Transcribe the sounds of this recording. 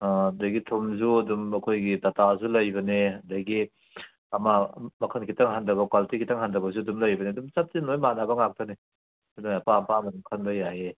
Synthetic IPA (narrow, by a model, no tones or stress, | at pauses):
aɐdajɡitʰumzuɐdumɐkʰojɡitatazulɐjbɐneɐdaɡi | ɐmamɐkʰɐnkʰitaŋɦandɐβɐkaltʰikʰitaŋhandɐbɐzuɐdumlɐjbɐneɐdumt͡ʃap̚tinojmanabɐŋak̚tɐne | nojapampamɐdumkʰɐnbajaɦe